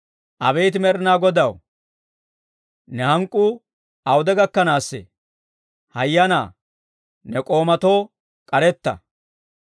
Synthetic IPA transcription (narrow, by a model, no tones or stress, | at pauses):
ʔɐbɛjt̪ɪmɛɾɪnaːɡɔd̪ɐw | nɛhɐŋkʼːuː | ɐwʊd̪ɛɡɐkːɐnaːsːḛ | hɐjːɐna̰ː | nɛkʼo̞ːmɐt̪o̞ː | kʼɐɾɛt̪ːɐ̰